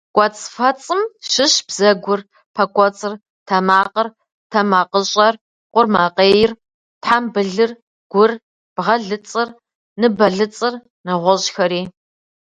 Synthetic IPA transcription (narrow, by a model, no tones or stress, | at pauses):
kʷʼɔt͡sʼfɐt͡sʼɨmʃɪɕb̥z̥ɐɡʷʊr | pʰɐkʷʼɔt͡sʼɨr | tʰɐmaːqər | tʰɐmaːqəɕʼɐr | qʷʊrmaːqʼeːjɪr | tħambɨɮɨr | ɡ̥ʷʊr | b̥ʁɐɮɨt͡sʼɨr | nɨbɐɮɨt͡sʼɨr | nɐʁʷɔʑxɐɾiː